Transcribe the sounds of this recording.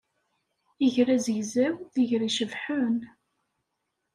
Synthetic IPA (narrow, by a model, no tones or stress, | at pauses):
əʝɾæzʝzæwθəʝɾiʃəvħʊn